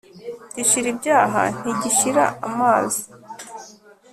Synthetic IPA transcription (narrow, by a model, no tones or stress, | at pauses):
ɟiʃiɾibɟaːɦa̰n̥iɟiʃiɾa̰amaːzi